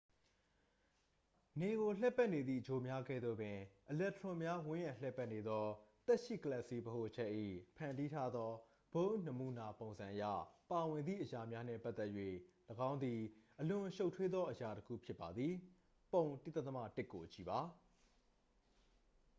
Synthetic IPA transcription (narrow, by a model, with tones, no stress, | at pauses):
ne˨ɣo˨lɛ˦˨pːɛ˦ʔne˨d̪ðḭ˦˨d͡ʑo˨mja˦ɡɛ̰˦˨d̪o̰˦˨bɪ̃˨ʔəlɛ˦ʔtəɹʊ̃˨mja˦wʊ̃˦jã˦˨l̥ɛ˦˨pːɛ˦ʔne˨d̪ðɔ˦t̪ɛ˦ʔʃḭ˦˨kəlɛ˦ʔsi˦bəɦo˦˨ʔət͡ɕʰɛ˦ʔːḭ˦˨pʰã˨ndi˦tʰa˦d̪ðɔ˦ | b̥õ˦nə˨mu˨na˨põ˨ʊ̃nzã˨ʔəjä̰˦˨pa˨wɪ̃˨nd̪ðḭ˦˨ʔəja˨mja˦n̥ɛ̰˦˨pa˦ʔ̪t̪ɛ˦ʔjɥwḛ˦˨ləɡã˦ʊ̃nd̪i˨ʔəlʊ̃˨ʃo˦ʊʔtʰwe˦d̪ðɔ˦ʔəja˨təkʰṵ˦˨pʰjɪ˦pːa˨d̪ði˨ | põ˨ʊ̃ntɪ˦t̪ːa˦t̪əma̰˦˨tɪ˦ʔkːo˨t͡ɕi˨ba˨